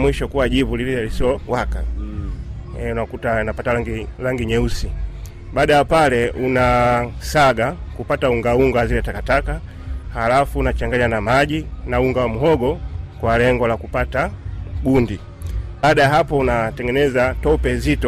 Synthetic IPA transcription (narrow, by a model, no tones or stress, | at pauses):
mwiʃɔkuwaʄivulilialisiɔwaka̰ | ɛunakutanapatailaŋɡiɲɛusi | ɓaːɗajapalɛʔunasaɡakupatauŋɡauŋɡazilɛtakataka | halafunat͡ʃaŋɡaɲanamaʄinauŋɡawam̩ɦɔɡɔkwalɛŋɡɔlakupataɓundi | ɓaːɗajaɦapɔunatɛŋɡɛnɛzatɔpɛzitɔ